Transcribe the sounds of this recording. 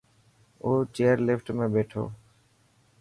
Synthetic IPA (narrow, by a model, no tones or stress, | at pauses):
ot͡ɕeaɾlefʈmebeʈʰo̰